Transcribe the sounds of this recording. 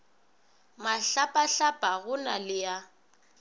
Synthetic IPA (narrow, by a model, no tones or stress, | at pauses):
maɬapʼaɬapʼaɣʊnalɪja